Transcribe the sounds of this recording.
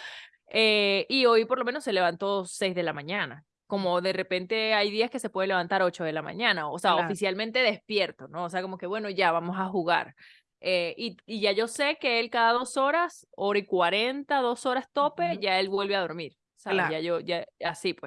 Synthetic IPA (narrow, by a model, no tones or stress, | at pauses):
eio̞jpoɾlome̞nosːe̞le̞βant̪o̞se̞jzðe̞lamãɲana | ko̞mo̞ðe̞re̞pe̞nt̪e̞ajðiaske̞sepwe̞ð̞eleβant̪aɾo̞t͡ʃo̞ð̞e̞lamã̰ɲãnaoseaofisjalmẽnt̪e̞ðe̞spje̞ɾt̪o̞no̞ːse̞ako̞mo̞ke̞βwe̞no̞ʝaβamo̞saxuɣa̰ɾ | eiiʝaʝo̞se̞ke̞elkaðaðo̞so̞ɾaso̞ɾaikwaɾe̞nt̪aðo̞so̞ɾast̪o̞pe̞ʝae̞lβwe̞lβe̞aðo̞ɾmiɾ | saβeeʝaʝoʝaasipwes